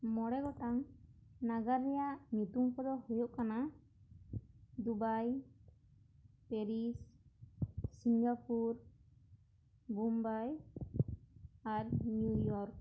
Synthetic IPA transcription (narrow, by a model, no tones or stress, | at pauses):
mɔɽɛɡɔʈaŋ | naɡaɾːɛjaʔnut̪umkɔd̪ɔhujɔʔkana | d̪ubaj | pɛɾis | siŋɡapuɾ | bumbaj | aɾnujɔɾk̚